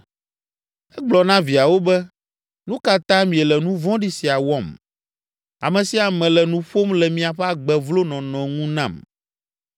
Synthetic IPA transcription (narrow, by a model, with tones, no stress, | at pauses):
ɛ˦ɡ͡blɔ˨nã˦vi˨a˨wo˦bɛ˦ | nũ˦ka˨t̪ã˦mĩ˨ɛ˨lɛ˨nũ˦vɔ̃˦ɖi˦si˨a˨wɔ˦˨m | a̰˨mɛ̃˨si˦a˨mɛ̃˨lɛ˨nũ˦ɸo˦mlɛ˨mĩ˨a˨ɸɛ˦a˨ɡ͡bɛ˨vlo˦nɔ̃˨nɔ̃˨ŋũ˦nã̰˨m